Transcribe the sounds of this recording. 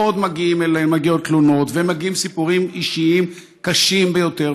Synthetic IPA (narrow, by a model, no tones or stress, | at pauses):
od̪maɡiimelenmaɡiot̪̚t̪luno̞t̪vemaɡiimsipuʁimiʃiim | kaʃimbejo̞te